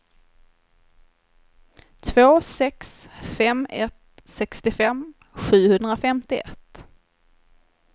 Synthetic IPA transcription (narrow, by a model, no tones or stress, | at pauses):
t̪ʰvoːsɛksfɛmɛ̰t̪ | sɛkst̪ɪfɛm | ɧʉ̟ːhɵnd̪ɾafɛmt̪ɪɛ̰t̪ː